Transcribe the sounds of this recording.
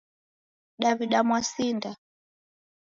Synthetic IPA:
ɗaviɗamwasinda

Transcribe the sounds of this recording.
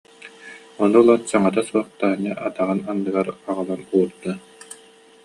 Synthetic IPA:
ɔnulˠɔnsaŋat̪asuɔχt̪aːɲaʔat̪aʁɯnanːɯɡaɾaʁɯlˠanuːɾd̪a

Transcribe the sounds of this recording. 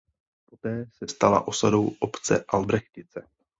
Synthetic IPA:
po̞t̪ɛːsɛst̪ala̰ʔo̞sadowʔopt͡sɛ̰ʔalbɾɛxcɪt͡sɛ

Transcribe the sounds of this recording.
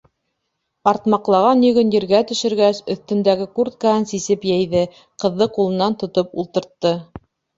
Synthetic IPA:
ɑɾt̪mɑqlˠɑʁɑnɵ̆ɡɵ̆njɘ̆ɾɡæt̪ɵ̆ʃɘ̆ɾɡæsɵ̆θt̪ɘ̆nd̪æɡɘkurt̪̚kaɦɤnsisɘpjæjðɘ | qɤ̆ðːɤqulˠɤ̆nːɑnt̪ŏt̪opṵlˠt̪ɤ̆ɾt̪ːɤ

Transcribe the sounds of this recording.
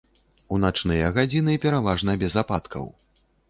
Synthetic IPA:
unat͡ʂnɨjɐɣad͡zʲinɨpʲɛɾavaʐnɐbʲɛzapat̪kʰɐ̰w

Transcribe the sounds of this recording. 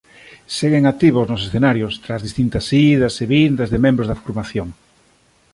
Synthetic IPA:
seɣeŋat̪iβ̞ʊznʊs̬esθenaɾjost̪ɾazðist̪int̪ɐsiðɐseβind̪ɐzðemẽmbɾozðafoɾmaθjoŋ

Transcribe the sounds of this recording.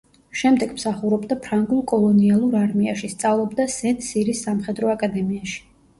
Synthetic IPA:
ʃɛmd̪ɛɡmsaχuɾɔbd̪apʰɾaŋɡulˠkʼɔlˠɔnialˠuɾaɾmiaʃist̪sʼavlˠɔbd̪asɛnsiɾisːamχɛd̪ɾɔakʼad̪ɛmiaʃi̥

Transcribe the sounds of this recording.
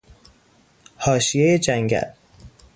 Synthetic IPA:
hɒːʃijejed͡ʒæŋɡæ̰l

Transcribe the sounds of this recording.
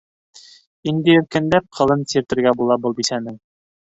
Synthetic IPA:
ind̪ɘjɵ̆ɾkɘ̆nlæp̚qʰɤ̆lˠɤnsiɾt̪ɘ̆ɾɡæbulˠɑbɤlˠbisænɘŋ

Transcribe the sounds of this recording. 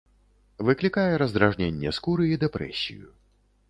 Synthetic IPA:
vɨklʲikajɛɾɐzd̪ɾaʐnʲenʲːɛ̰skuɾɨid̪ɛpɾɛ̰sʲḭjṵ

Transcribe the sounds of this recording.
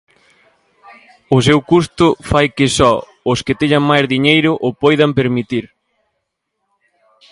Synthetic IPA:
ʊsewkust̪ʊfajkɪsɔ | ʊskɪt̪eɲaŋmajzðiɲejɾʊʔʊpojðɐmpeɾmit̪iɾ

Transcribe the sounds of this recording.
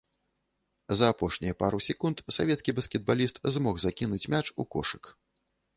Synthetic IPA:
zɐːpɔʂnʲijɐpaɾusʲɛkunt̪savʲɛt̪skʲibɐskʲɛd̪̚balʲist̪zmɔxzakʲinut͡sʲmʲat͡ʂukɔ̰ʂɨk

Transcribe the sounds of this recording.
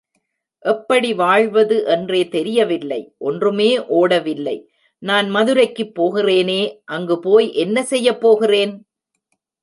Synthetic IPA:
ʔɛpːɐɽiʋaːɻʋɐðɯʔɛndreːt̪ɛɾɪjɐʋɪlːɐɪʔɔndrɯmeːʔoːɽɐʋɪlːɐɪ | naːnmɐðɯɾɐɪkːɯpːoːɣɪreːneːʔɐŋɡɯpoːjʔɛnːɐsɛjːɐpːoːɣɪreːn

